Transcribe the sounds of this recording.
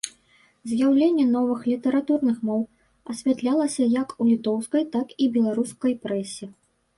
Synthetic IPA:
zʲjawlʲenʲːɛnɔvɨxlʲit̪ɐɾat̪urnɨxmɔw | ɐsʲvʲat̪lʲalˠɐsʲɐjɐkulʲit̪ɔwskɐjt̪akibʲɛlˠaɾuskɐjpɾɛsʲi

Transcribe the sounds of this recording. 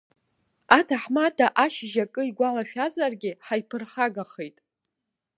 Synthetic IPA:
atʰaħmadʰaʔaʃʒakʼɨiɡʷalaʃᶣazarɡʲɪħajpʰɨrχaɡaχejtʼ

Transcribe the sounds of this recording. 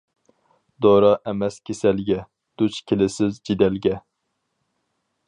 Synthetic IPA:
d̪oɾɑʔɛmɛskʲʰesɛlɡʲɛ | d̪̥ut͡ʃkʲʰelɪsɪzd͡ʒid̪ɛlɡʲɛ

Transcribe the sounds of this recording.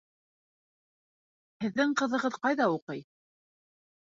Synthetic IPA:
hɘ̆ðːɘŋqɤ̆ðɤ̆ʁɤðqɑjðɑuqɤj

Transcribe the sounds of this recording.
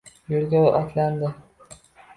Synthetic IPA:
jolɡʲawʔɒt̪ʰland̪ɪ

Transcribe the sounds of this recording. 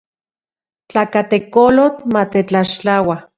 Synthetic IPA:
t͡ɬakat̪ekolot̪mat̪et͡ɬaʃt͡ɬawa

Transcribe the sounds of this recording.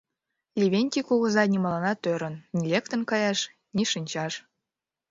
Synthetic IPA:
lʲiβʲenʲtʲikuɣə̆zɑnʲimɑlɑnɑt̪øɾə̆nːʲilʲekt̪ə̆nkɑjɑʃ | nʲiʃɯnʲt͡ɕɑʃ

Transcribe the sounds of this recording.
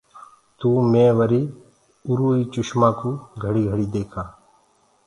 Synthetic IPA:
t̪uːmẽːʋəɾiː | ʊɾuːiːt͡ʃʊʃmãːkuːɡʱəɽiːɡʱəɽiːd̪eːkʰaː

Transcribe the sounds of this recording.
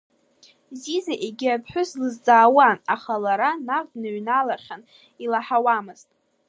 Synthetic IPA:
zizaʔeɡʲɪapʰħʷᶣʊslɨzd͡zʼaːwanaχalaɾanarʼdnɨɥnalarχʲan | ilaħawamɨz̥tʼ

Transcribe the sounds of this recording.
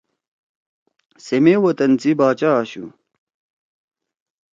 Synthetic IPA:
semewɐt̪ɐnt͡sibaːt͡ɕaːɕṵ

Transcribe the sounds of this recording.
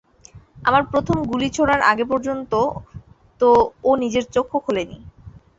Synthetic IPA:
amaɾpɾot̪ʰomɡulit͡ɕʰoɽaɾʔa̰ɡep̬ɔɾd͡ʑont̪o | t̪oːnid͡ʑeɾt͡ɕokʰːokʰolenḭ

